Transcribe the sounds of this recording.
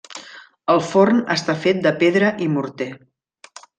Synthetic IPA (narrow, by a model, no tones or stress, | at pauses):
əlˠfornəst̪afet̪̚d̪əpeðɾəʔimuɾt̪e